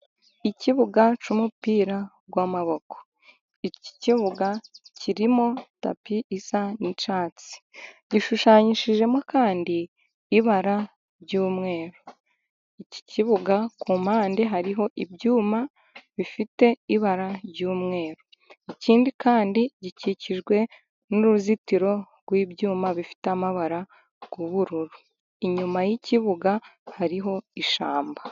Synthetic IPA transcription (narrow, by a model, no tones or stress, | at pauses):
iciβuɡat͡ʃumupiːɾa | ɡwaːmaβo̞ko̥ | ici̥ciβuɡacʰiɾimo̞ta̰piʔisanit͡ʃaːt͡si̥ɟiʃuʃaːɲiʃiʒe̞mokaːndiː | βaɾa | ɾɟuːmŋe̞ːɾo | ici̥ciβuɡakuːmaːndiɦaɾiɦo̞ʔibɟuːma | βifite̞iβaɾaɾɟuːmŋe̞ːɾo | iciːndikʰaːndiɟiciciʒɡwe̞ | nuɾuzitiɾo̞ | ɡwiːbɟuːmaβifi̥tamaβaɾa | ɡ̥uβuɾuɾu | iɲumajiciβuɡahaɾiɦo̞iʃa̰ːmba